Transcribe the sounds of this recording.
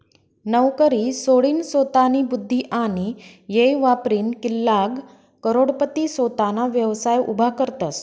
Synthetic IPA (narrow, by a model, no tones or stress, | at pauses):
nəwkəɾiːsoɽiːnsot̪aniːbud̪ʱːiʔaɽ̃i | jejʋapɾiːnkilːaɡ | kəɾoɽpət̪isot̪anaʋjəʋsajṵbʱakəɾt̪as